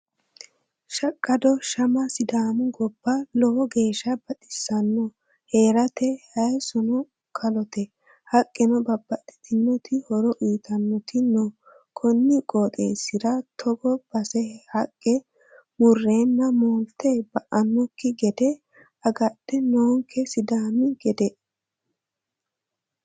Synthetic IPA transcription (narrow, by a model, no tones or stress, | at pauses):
ʃɐkʼːɐd̪ɔʃɐmɐsɪd̪aːnʊɡɔbːɐlɔwɔɡe̞ːʃːɐb̥ɐt̪ʼɪsːɐnːɔ | he̞ːɾɐt̪ɛhɐjsɔnɔ | kʰɐlɔt̪ɛ | hɐkʼːɛnɔbɐbːɐt̪ɛ̥t̪ʰɪnːɔt̪ɪhɔɾɔʔiːt̪ʰɐnːɔt̪ɪnɔ | kʰɔnːɪkʼoːt̪ʼḛːsɪɾɐt̪ʰɔɡɔb̥ɐsɛhɐkʼːɛ | mʊrːeːnːɐmoːnt̪ːɛbɐʔɐnːɔkːɪɡɛd̪ɛ | ɐɡɐt̪ːɛnɔŋkʰːɛsɪd̪aːmɪɡɛd̪ɛ